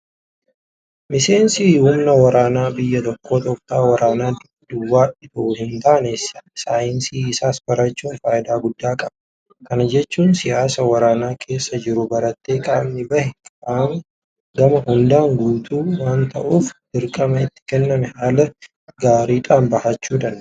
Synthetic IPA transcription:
mɪse̞ːnsiːhʊmnɐwɐɾaːnaːbɪjːɐt̪ɔkːo̞ːt̪ɔkt̪aːwɐɾaːnaːd̪ | d̪ʊwːaːᶑɪt̪ɐʔuhɪnt̪aːnessaːjɪnsiːɪsaːsbɐɾɐt͡ʃːuːnfaːjɪd̪aːɡʊd̪ːaːkʼɐbɐ | kɐnɐd͡ʒɛt͡ʃːuːnsɪjaːsɐwɐɾaːnaːkʰe̞ːsːɐd͡ʒɪɾʊbɐɾɐt̪ːe̞ːkʼaːmnɪbɐhɛkʼaːm | ɡɐmɐhʊnd̪aːŋɡuːt̪ʰuːwaːnt̪ɐ̰ʔuːfd̪ɪɾkʼɐmɐɪt̪ːɪ̥kɛnːɐmɛhaːlɐ | ɡaːɾiːᶑʼaːnbɐhɐt͡ʃːuːd̪ɐnd̪

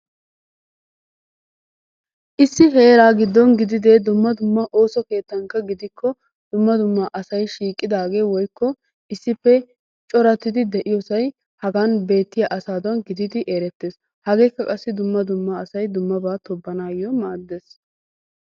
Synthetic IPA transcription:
ʔɪsːɪɦe̞ːɾaːɡɪd̪ːɔnɡɪd̪ɪd̪ed̪ʊmːɐd̪ʊmːɐʔo̞ːsɔke̞ːt̪ːɐŋkːɐɡɪd̪ɪkːɔ | d̪̥ʊmːɐd̪ʊmːaʔɐsɐjʃiːkʼːɪd̪aːɡe̞ːwɔjkːɔ | ʔɪsːɪpːɛ | t͡ʃʼɔɾɐt̪ːɪd̪ɪd̪ɛʔɪjɔsɐj | hɐɡanbe̞ːt̪ːɪjaʔɐsaːd̪ɐnɡɪd̪ɪd̪ɪʔeːɾɛt̪ːeːs | hɐɡe̞ːkːɐkʼɐsːɪd̪ʊmːɐd̪ʊmːɐːsɐjd̪ʊmːɐbaːt̪ɔbːɐnaːjɔmaːd̪ːe̞ːs

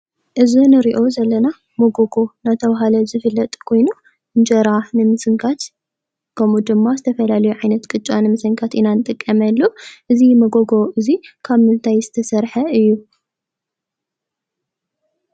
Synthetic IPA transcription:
ʔɨzinɨɾiʔo̞zɐlːɐna | mɐɡoɡo̞nat̪ʰɐβaɦalɐzɨfɨlːɐt̪ʼkʰo̞jnu | ɨnd͡ʒɐɾanɨmɨsɨŋkʰat̪ | kʰɐmud̪ɨmːazɨt̪ʰɐfɐlalɐjuʕajnɐt̪kʼɨt͡ʃʼanɨmɨsɐŋkʰat̪ʔinanɨt̪ʼɨkʼːɐmɐlːuʔɨzimɐɡoɡo̞ʔɨzikʰaβmɨnt̪ʰajzɨt̪ʰɐsɐɾħɐɨjːu

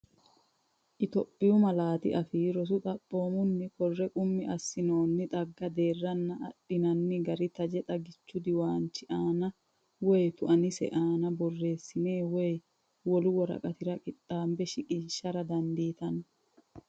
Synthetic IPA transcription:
ʔɪt̪ɔpʼːɪjʊmɐlaːt̪ɪ̰ʔɐfɪɾɔs̬ʊt̪ʼɐpʼːo̞ːmʊnːɪkɔrːɛkʼʊmːɪʔɐsːɪno̞ːnːɪt̪ʼɐɡːɐd̪e̞ːrːɐnːɐʔːɗːɪnɐnːɪɡɐɾɪt̪ɐd͡ʒɛt̪ʼɐɡɪt͡ʃːʊd̪ɪwaːnt͡ʃːɪʔaːnɐ | wɔjt̪ʊʔɐnɪsɛ̰ʔaːnɐbɔrːe̞ːsːɪne̞ːwɔj | wɔlʊwɔɾɐ̰kʼɐt̪ɪɾɐkʼɪt̪ʼːaːmbɛʃɪkʼɪːʃːɐɾɐd̪ɐnd̪iːt̪ɐnɐ

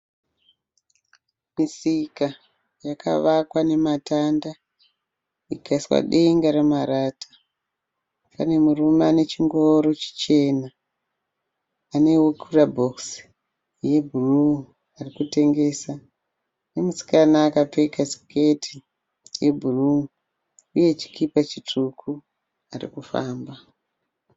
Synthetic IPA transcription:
misika | jakʰa̰ʋakwane̞matanda | ikaiswa̰ɗeŋɡaɾemaɾaːtʰḁ | pa̰ne̞murumane̞t͡ʃiŋɡoɾo̞t͡ʃi̥t͡ʃe̞na | ne̞wukʰurabʱo̞ks | je̞bʱuru | arikute̞ŋɡe̞sa | ne̞musi̥kanaːkap͡fekasi̥ketʰi | je̞bʱuru | uje̞t͡ʃi̥kʰipat͡ʃitʰukʰu | arḭkufa̰ːmba

